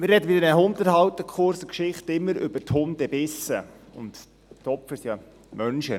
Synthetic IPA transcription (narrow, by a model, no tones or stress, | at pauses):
mɪɾɛd̪əʋɪdənəʊntəɾhɑwt̪əkʰχʊɾsəkʃɪχtɪmːəɾʏbəthʊndɛb̥ɪsːəʊ̰nt̪ | tɔpfəsjɑ | mœnʃə